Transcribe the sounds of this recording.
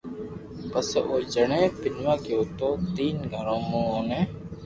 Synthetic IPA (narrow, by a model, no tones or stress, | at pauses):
pəsoːd͡ʒəɳẽːpɪnʋãːkeːʊt̪õːt̪iːnɡʱəɾõːmũːõːnẽː